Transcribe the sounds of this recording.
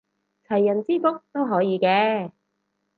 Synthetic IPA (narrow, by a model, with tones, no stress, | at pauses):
t͡sʰɐ˨˩jːɐ˨˩nt͡siː˥kʊ˥k̚t̪o˥wɦɔː˨˥jiː˨˧kɛː˧